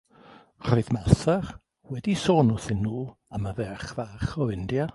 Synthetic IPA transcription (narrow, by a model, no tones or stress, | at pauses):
r̥ɔɨðmaθɛr | wɛdisoːnuθɪnːuːəməvɛχvaːχɔɪndja